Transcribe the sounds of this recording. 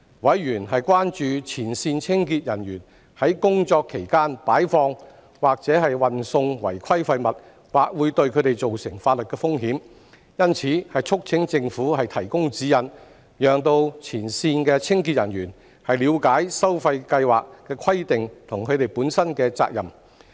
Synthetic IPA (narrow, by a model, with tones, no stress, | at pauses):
wɐ˨˥jjyː˨˩nɦɐ˨jkwaː˥nt͡ʃyː˨˧t͡sʰiː˨˩nsiː˧nt͡sʰɪ˥ŋkiː˧t̚jɐ˨˩nɥyː˨˩n | hɐ˨˥jkʊ˥ŋt͡sɔː˧kʰːe˨˩jkaː˥npaː˨˥jfɔː˧ŋ | waː˨k̚t͡sɛː˨˥hɐ˨jwɐ˨nsʊ˧ŋwɐ˨˩jkʰɐ˥jfɐ˧jmɐ˨t̚ | waː˨k̚wuː˨˧jt̪ɵ˧ɥkʰɵ˨˧ɥt̪e˨jt͡so˨wsɪ˨˩ŋfaː˧t̚lɵ˨t̚kɛː˧fʊ˥ŋɦiː˨˥m | jɐ˥nt͡sʰiː˨˧˥hɐ˨jt͡ʃʰʊ˥k̚t͡sʰɪ˨˥ŋt͡sɪ˧ŋfuː˨˥hɐ˨jt̪ʰɐ˨˩jkʊ˥ŋt͡siː˨˥jɐ˨n | jœː˨ŋt̪o˧wt͡sʰiː˨˩nsiː˧nkɛː˧t͡sʰɪ˥ŋki˧t̚jɐ̰˨˩njyː˨˩n | hɐ˨jliː˨˧wkaː˨˥jsɐ˥wfɐ˧jkɐ˧jwaː˨˩k̚kɛː˧kʰɐ˥jt̪ɪ˨ŋt̪ʰʊ˨˩ŋkʰɵ˨˧ɥt̪e˨jpuː˨˥nsɐ˥nkɛː˧t͡sa̰ː˧k̚jɐ˨˩m